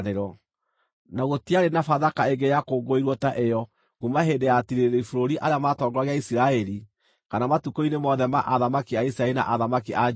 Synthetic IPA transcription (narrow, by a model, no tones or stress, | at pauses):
eɾɔ | naɣotiaɾenafaðakaeɡejakoːɡoiɾwɔtaʔejɔ | kumaɦendeatiɾeeɾeifoɾoɾiʔaɾeamatɔɡɾaɣeaisiɾaɛɾi | kanamatukoinemɔðɛmaʔaðamakiaisiɾaɛlina̰ʔaðamakiʔa